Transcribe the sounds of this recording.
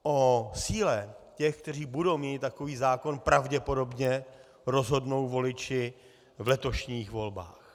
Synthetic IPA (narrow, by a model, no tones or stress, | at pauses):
ʔosiːlɛcɛxk̚t̪ɛr̝iːbudo̞wmiːt̪ːako̞viːzaːko̞npɾavɟɛpo̞do̞bɲɛ | ɾo̞zɦo̞dno̞wvo̞lɪt͡ʃɪ | vlɛt̪o̞ʃɲiːxvo̞lba̰ːx